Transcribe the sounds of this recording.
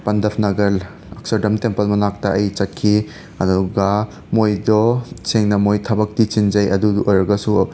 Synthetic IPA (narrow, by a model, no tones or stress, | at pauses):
pɐndɐpʰnaɡɐl | ɐk̚soɾdɐmtempɐlmɐnak̚tɐʔɐjt͡ʃɐtkʰːi | ɐduɡa | mojdɔseŋnɐmojtʰɐbɐk̚dit͡ʃind͡ʒɐjɐdudʔojɾɐɡɐsu